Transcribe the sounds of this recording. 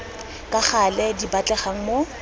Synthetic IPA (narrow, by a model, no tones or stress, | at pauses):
kʼaχalɛdibat͡ɬʼɛχaŋ̩mo